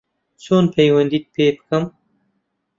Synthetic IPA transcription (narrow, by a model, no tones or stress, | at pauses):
t͡sonpajwand̪it̪̚pepkəm